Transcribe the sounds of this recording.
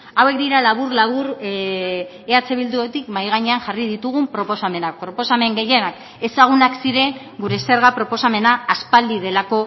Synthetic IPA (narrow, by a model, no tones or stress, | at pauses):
awe̞k̚d̪iɾalaβuɾlaβuɾ | eat͡se̞βild̪uot̪ikmajɣ̞aɲe̞aŋʝarið̞it̪uɣumpɾo̞po̞same̞nak̚pɾo̞po̞same̞ŋɡe̞je̞nak | e̞saɣ̞unaksiɾe̞ŋ | ɡuɾe̞se̞ɾɣapɾo̞po̞same̞naːspald̪iðe̞lako̞